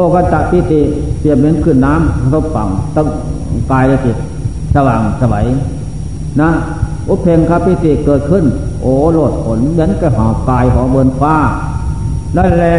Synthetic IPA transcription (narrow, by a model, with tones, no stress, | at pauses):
oː˧˩˨ka˧t̪a˧˨pi˧˨t̪i˧pi˧˨əp̚me˧˥˨nkʰɯ˧˩˨nːaː˧˥˨mkʰa˧o˧˥˨p̚fa˨˩ŋt̪a˧ | kaː˨˧jʔa˧ki˨˧˩t̪̚ | sa˧waː˨˩ŋsa˧wa̰˨˦j | na˧˥ | ʔu˧˥pʰe˧ŋkʰaː˧˨pi˧˨t̪i˧˩˨kɤː˨˩t̪̚kʰɯ˧˥˨n | ʔoː˨˩lo˧˩t̪̚pʰo˨˦nmi˧˦ənka˧˩ɦaː˨˩wkaː˨jɦɔː˨˦bɤː˧˨nkʰaː˧˩˨ | la˧˩˨lɛː˧